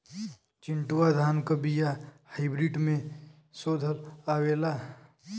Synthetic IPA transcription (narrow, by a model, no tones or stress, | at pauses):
t͡ʃɪ̃ɳʈuwad̪ʱaːnkəbijahaɪbɾiɖmẽ | soːd̪ʱəlaːweːla